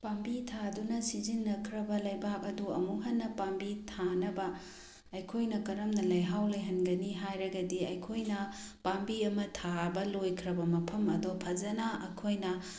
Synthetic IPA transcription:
pambitʰadunɐsizinːɐkʰɾɐbɐlɐjbak̚ɐduɐ̰muɦɐnːɐpambitʰanɐbɐː | jkʰojnɐkɐɾɐmnɐlɐjɦawlejɦɐnɡɐniɦajɾɐɡɐdiɐjkʰojnɐpambiɐmɐtʰabɐlojkʰɾɐbɐmɐpʰɐmɐdɔpʰɐzɐnaʔɐkʰojnɐ

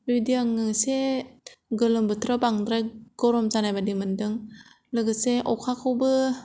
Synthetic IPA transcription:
ɾidiaŋɯse | ɡɯlɯmbɯtʰɾabaŋdɾajɡ̥ɔɾɔmzanajbadimɯndɯŋ | lɯɡɯseʔɔkʰakʰɯwbɯ

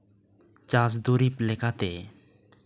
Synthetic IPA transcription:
t͡ɕas̬d̪uɾiplɛkʰat̪e

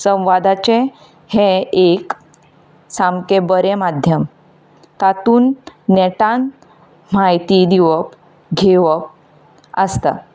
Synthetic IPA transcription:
sə̃w̃ʋad̪at͡ɕe | hẽek | samkebəɾemad̪ʱjəm | t̪at̪uːnːɛʈãn | m̤ajt̪id̪iʋəp | ɡʱeʋəp̚ | əst̪a̰

